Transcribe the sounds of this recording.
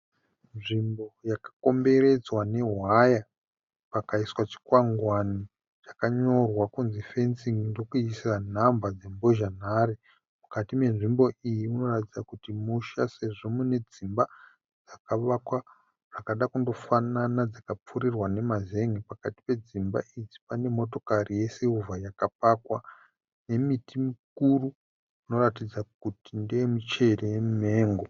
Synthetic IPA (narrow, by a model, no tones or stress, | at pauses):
nʐimbo̞jakḁkombe̞ɾe̞d͡zwane̞ɦwaja | pakaiswat͡ʃi̥kwaŋɡwani | ʐakaɲo̞rwakunzife̞nsiŋndo̞kuisan̤ambad͡ze̞mbo̞ʒan̤aːɾe | mukatime̞nʐimbo̞ijiuno̞ratid͡zakutimuʃase̞ʐo̞mune̞d͡zimba | d͡zakaʋakwa | ʐ̥akaɗakundo̞fananad͡zakap͡furirwane̞maze̞ŋɡipakati̥pe̞d͡zimba̰ʔid͡zipane̞mo̞to̞karije̞seuvajakap̚akwa | ne̞mitimikuru | uno̞ratid͡zak̚utindeemit͡ʃe̞rejemume̞ːŋɡo̞